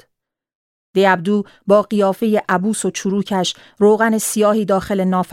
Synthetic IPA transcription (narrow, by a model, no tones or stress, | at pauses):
d̪̥ejæb̚d̪uː | bɒːɢijɒːfe̞jeʔæbuːsot͡ʃʰuɾuːcʰæʃ | roːɣæne̞sijɒːhiːd̪ɒːxe̞le̞nɒːf